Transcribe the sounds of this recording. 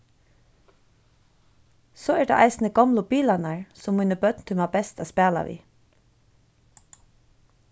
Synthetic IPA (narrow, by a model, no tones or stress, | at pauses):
sɔːɛɹd̪a̰ʔajsnəɡɔmlʊbiːlanaɹsʊmːuːnəbœt̪nt̪ʰɪlmabɛst̪æːspæːla̰ʋḭː